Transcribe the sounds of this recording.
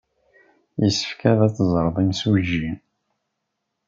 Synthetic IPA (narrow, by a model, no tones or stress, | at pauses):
jəsə̥fkæðæt͡sːzˤɾˤðˤimswʒːin